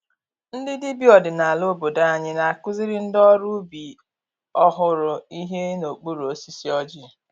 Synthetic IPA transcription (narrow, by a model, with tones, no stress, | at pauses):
n̩˦dɪ˦dɪ˦bjɔ˨dɪ˨na˨a˨lo˦bo˨da˦a˨ɲɪ˦na˨a˨kʊ˦zɪ˦ɾɪ˦n̩˦dɔ˦ɾu˦bi˨ | ɔ˦ɦʊ˨ɾʊ˨i˦ɦe˦no˨k͡pu˦ɾo˦si˦si˦ɔ˦d͡ʒi˦˨